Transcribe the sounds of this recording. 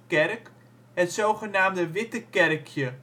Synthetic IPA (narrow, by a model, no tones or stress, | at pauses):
kɛrk | ɦətsowχənaːmdəʋɪtəkɛrkʰjə